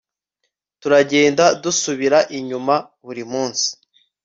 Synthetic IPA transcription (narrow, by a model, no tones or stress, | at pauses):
tuɾaɟe̞ːndadusuβiɾaʔiɲuma | βuɾimuːnsi̥